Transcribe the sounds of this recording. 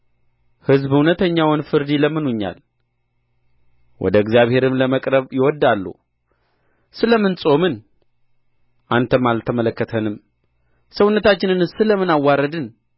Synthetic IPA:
hɨzbhunət̪ʰəɲːawɨnfɨɾd̪iləmːɨnuɲːa̰l | wʔɔ̰d̪əɨɡzjaβhe̞ɾɨmləməkʼɾəβjɪwɔd̪ːalːṵ | sɨləmɨnsʼo̞mɨn | ʔant̪ʰəmalt̪ʰəmələkːət̪ʰənɨm | səwʊnːət̪ʰat͡ʃːɪnɨnsɨləmɨnawːaɾəd̪ɨn

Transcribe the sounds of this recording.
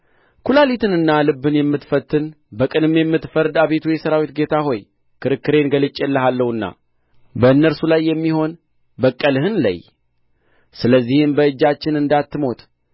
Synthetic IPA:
kʰulalit̪ʰɨnɨnːalɨbːɨnjɛmːɨt̪fət̪ːɨn | bəkʼɨnɨmjɛmːɨt̪fəɾd̪aβe̞t̪ʰujɛsəɾawit̪ɡe̞t̪ʰaɦo̞j | kʰɨɾɨkːɨɾe̞nɡəlɨt͡ʃʼːelːəɦalːəhɨnːa̰ | bəɨnːəɾsulajːɛmːiho̞n | bəkʼːəlhɨnla̰j | sɨləzːihɨmbəɨd͡ʒːat͡ʃːɪnɨnd̪at̪ːɨmo̞t̪ʼ

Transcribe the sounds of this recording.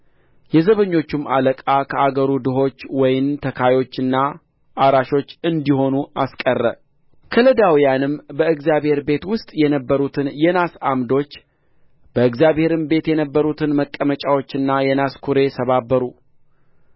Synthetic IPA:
jɛzəβəɲːo̞t͡ʃːumaləkʼakʰəaɡəɾud̪ɨɦo̞t͡ʃːwɔjɪmt̪ʰəkʰajo̞t͡ʃːɨnːa | ʔaɾaʃo̞t͡ʃːɨnd̪iɦo̞nuaskʼərːə̰ | kʰələd̪awijanɨmbəɨɡzijaβhe̞ɾbe̞t̪wʊst̪ʼjɛnəbːəɾut̪ʰɨnjɛnasamd̪o̞t͡ʃː | b̥əɨɡzijaβhe̞ɾɨmbe̞t̪jɛnəbːəɾut̪ʰɨnməkʼːəmət͡ʃʼawo̞t͡ʃːɨnːajɛnaskʰuɾe̞sʰəβabːəɾu

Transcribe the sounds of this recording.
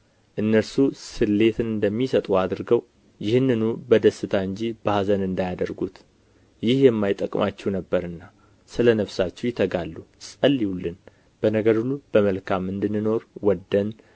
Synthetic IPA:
ʔɨnːəɾsusɨlːe̞t̪ʰɨnɨnd̪əmːisət̪ʼuad̪ɨɾɡəw | jɪhɨnːɨnubəd̪əsːɨt̪ʰaɨɲd͡ʒib̥azənɨnd̪ajad̪əɾɡut̪ | jɪhjɛmːajɪt̪ʼəkʼmʔat͡ʃːɛwnəbːəɾɨnːa | sɨlənəβsat͡ʃːɛwjɪt̪ʰːəɡalːusʼəlːihulːɨn | b̥ənəɡəɾulub̥əməlkʰamːɨnd̪ɨnːɨno̞ɾwɔd̪ːən

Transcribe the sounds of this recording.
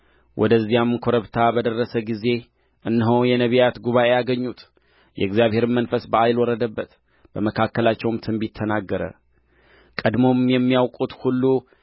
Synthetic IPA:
wʔɔ̰d̪əzːijamkʰo̞ɾəβt̪ʰabəd̪ərːəsəɡize̞ | ʔɨnːɦəwjɛnəβijat̪ɡuβaʔe̞jaɡəɲːut̪ | jɛ̰ɨɡzjaβhe̞ɾɨmːənfəsbəajlwɔɾəd̪əbːət̪ | b̥əməkʰakːəlat͡ʃːɛwmt̪ʰɨmbit̪ʰːənaɡːəɾə̰ | kʼəd̪mo̞mjɛmːijawkʼut̪hulːu

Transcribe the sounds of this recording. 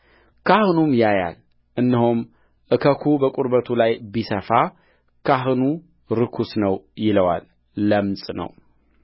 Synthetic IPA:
kʰahɨnumjaja̰l | ʔɨnːɨɦum | ʔɨkʰəkʰubəkʼuɾbət̪ʰulajbisəfa | kʰaɦɨnu | ɾɨkʰusnəwjɪləwa̰lː | əmsʼnə̰w

